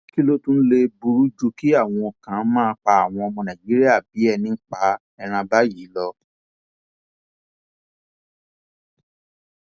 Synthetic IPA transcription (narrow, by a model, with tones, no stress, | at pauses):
ki˦lo˦tũ˦le˧bu˧ɾu˦d͡ʒu˧ki˦a˦˨w̃ɔ̃˧˨kã˨˦mãː˦k͡pa˧a˦˨w̃ɔ̃˧ɔ˧mɔ̃˧nã˨d͡ʒi˨˦ɾi˦a˦˨bi˨˦ɛ˧nĩ˧˦k͡pa˧ | ɛ˧ɾ̃ã˧ba˦jiː˨˦lɔ˧